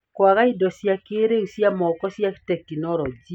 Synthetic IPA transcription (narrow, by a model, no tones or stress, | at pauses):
kwaɣaidɔsjakeɾeusjamɔkɔsjaktɛkːinɔɾɔd͡ʒi